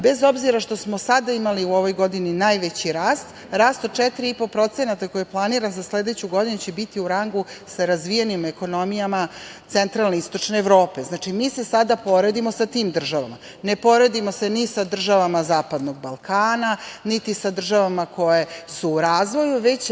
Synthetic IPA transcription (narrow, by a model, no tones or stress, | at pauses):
be̞zo̞bziɾaʃt̪o̞smosad̪aimaliuo̞ʋo̞jɡo̞d̪ininajʋe̞t͡ɕiɾaːst̪ | ɾaːst̪od̪̚t͡ʃɛt̪iɾiipo̞pɾo̞t̪senat̪ako̞jijeplˠaniːɾanzasled̪et͡ɕuɡo̞d̪inut͡ɕebit̪iuɾaŋɡusaɾazʋijenimeko̞no̞mijamat̪sent̪ɾalneist̪o̞t͡ʂneːʋɾo̞ːpe̞znaːt͡ʂimiːsesad̪apo̞ɾe̞d̪imo̞sat̪iːmd̪r̩ʒaʋama | nepo̞ɾe̞d̪imo̞se̞nisad̪r̩ʒaʋamazaːpad̪noɡ̚balˠkaːnanit̪isad̪r̩ʒaʋamakʰo̞je̞suːɾaːzʋo̞juʋe̞t͡ɕ